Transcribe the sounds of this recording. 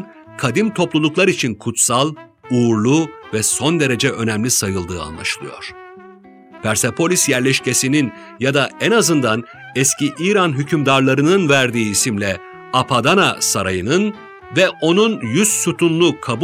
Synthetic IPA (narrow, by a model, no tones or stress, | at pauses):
kʰad̪imt̪ʰo̞plˠulˠuklˠaɾit͡ʃʰinkʰut̪salˠ | uːɾlˠuvɛso̞nd̪e̞ɾe̞d͡ʒɛʔø̞næmlʲisajɯlˠd̪ɯ̰ːa̰nlˠa̰ʃɯlˠɯjo̞̰ɾ̥ | b̥æɾsepʰo̞lʲisjæɾlʲɛʃce̞sinin | jad̪aɛnazɯnd̪an | ɛsciʔiːɾanɦycʰymd̪aɾlˠaɾɯnɯnvæɾd̪iːisimlʲɛ | apʰad̪ana̰saɾajɯnɯn | vɛʔo̞nunjyzsut̪ʰunlˠukʰab